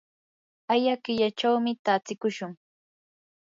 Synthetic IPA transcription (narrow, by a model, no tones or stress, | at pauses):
ajakɪʎat͡ʃawmɪt̪at͡sɪkʊʃʊŋ